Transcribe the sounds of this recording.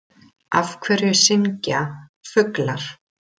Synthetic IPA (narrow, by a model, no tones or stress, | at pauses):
afkʰvɛːɾjʏsɪŋcafʏklaɾ̥